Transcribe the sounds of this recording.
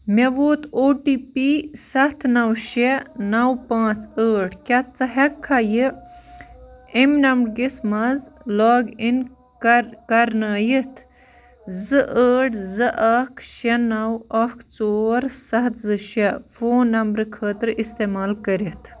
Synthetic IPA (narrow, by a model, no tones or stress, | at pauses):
mɐʋoːt̪ʰoːʈiːpisɐt̪ʰnɐwʃenɐwpãːt͡səːʈʰkʲɐt̪t͡sɐɦɐkʰːaji | emnɐmbɽɡismɐzlɔːɡin | kɐɾnaːjit̪ʰ | zɨʔəːʈʰzɨʔɐkʰʃɛnɐwɐkʰt͡soːɾsɐɦt̪ʰzɨʃɛfoːnːɐmbɾɨkʰəːt̪ɾist̪eːmaːlkɐɾit̪ʰ